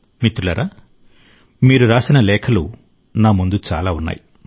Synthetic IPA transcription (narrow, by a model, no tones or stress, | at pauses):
mit̪ɾulɐɾaː | miːɾuɾaːsinɐlɛːkʰɐlu | naːmund̪ut͡ʃa̰ːlaːunːa̰ːji